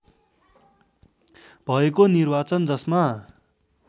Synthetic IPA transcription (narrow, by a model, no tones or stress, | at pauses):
bʱʌekonirbat͡sʌnd͡zʌsma